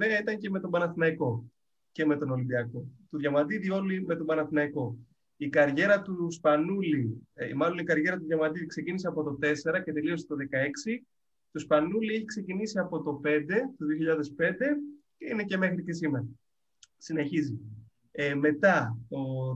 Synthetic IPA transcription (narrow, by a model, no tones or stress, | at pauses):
eɐit̪ɐɲce̞me̞t̪o̞bɐnɐθinɐiko̞ | ce̞me̞t̪o̞no̞lind̪iɐko̞t̪oðʝɐmɐd̪iðio̞lime̞t̪o̞bɐnɐθinɐiko̞ | ikɐɾʝe̞ɾɐt̪uspɐnulḭmɐlo̞nikɐɾʝe̞ɾɐt̪uðʝɐmɐd̪iðikse̞ciniseɐpo̞t̪o̞t̪e̞se̞ɾɐce̞t̪e̞liost̪oðe̞kɐe̞ksi | t̪ospɐnulieçikse̞cinisiɐpo̞t̪o̞pe̞nd̪e̞t̪oðioçiʎɐðe̞spe̞nd̪e̞ceine̞ce̞me̞xɾice̞simeɾɐ | sine̞çizi | me̞t̪ɐo